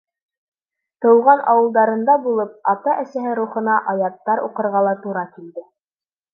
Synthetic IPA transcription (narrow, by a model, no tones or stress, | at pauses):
t̪ɤ̆wʁɑnʔɑwɤ̆lˠd̪ɑɾɤ̆nd̪ɑbulˠɤp̚ɑt̪ɑʔæsæɦɘɾuχɤ̆nɑʔɑjɑt̪ːɑɾuqɤ̆ɾʁɑlˠɑt̪uɾɑkild̪ɘ